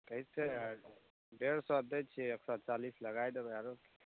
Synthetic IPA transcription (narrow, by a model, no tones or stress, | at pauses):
kəɦise | bʱeɽsad̪et͡ʃʰieksɔt͡ʃalisləɡajd̪ebaɾok